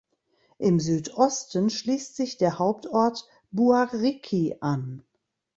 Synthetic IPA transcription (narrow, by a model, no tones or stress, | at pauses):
ʔɪmzyːtʔɔstənʃliːstz̥ɪçd̥eːɐhaʊp̚tʔɔɐt | b̥uaʁikʰiʔan